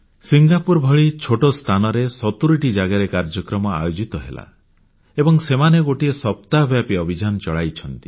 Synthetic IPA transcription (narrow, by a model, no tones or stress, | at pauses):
siŋɡapuɾbʱɔɭit͡ʃʰoʈost̪ʰanɔɾesɔt̪uɾiʈid͡ʒaɡaɾekaɾd͡ʒɔkɾɔmɔa̰jod͡ʒit̪ɔɦela̰ | ebɔŋsemaneɡoʈiesɔp̚t̪abʱjapiɔbʱid͡ʒanɔt͡ʃɔɭajt͡ʃʰɔnt̪i